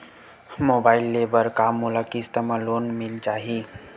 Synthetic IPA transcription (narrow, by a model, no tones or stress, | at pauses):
mobaɪilːebəɾkamːolakist̪əmalonmilt͡ʃaːɦi